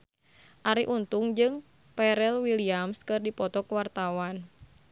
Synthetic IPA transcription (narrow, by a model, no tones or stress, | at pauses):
ʔaɾiʔunt̪uŋd͡ʒɨŋ | pɛɾɛlwiliamskɨrdipɔt̪ɔkwart̪awan